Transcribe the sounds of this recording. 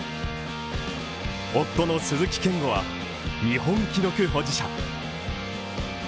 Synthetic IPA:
ot̪ːonosɨzɨkʲi̥kẽ̞ŋɡo̞βa | ɲʲiɦõ̞ŋkʲid̪okɯ̟ɦo̞ːd͡ʑiɕa̰

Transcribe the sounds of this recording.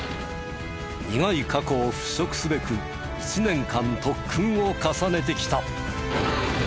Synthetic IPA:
ɲiŋaikako̞ːɸɯ̟̥ɕo̞kɯ̟̥sɨbe̞kɯ̟ | ɕinẽ̞ŋkãnt̪o̞kʰːɯ̃ɰ̃o̞kasane̞t̪̬e̞kʲi̥t̪a

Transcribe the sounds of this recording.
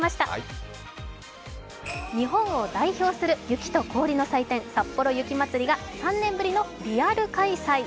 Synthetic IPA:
maɕi̥t̪a | ɲ̟iɦõ̞ɰ̃o̞d̪aiço̞ːsɨɾɯ̟jɯ̟kʲi̥t̪oko̞ːɾʲino̞sait̪ẽ̞ɰ̃sapːo̞ɾo̞jɯ̟kʲimat͡sɨɾʲiɡasãnːẽ̞mbɯ̟ɾʲino̞ɾʲiaɾɯ̟kaisai

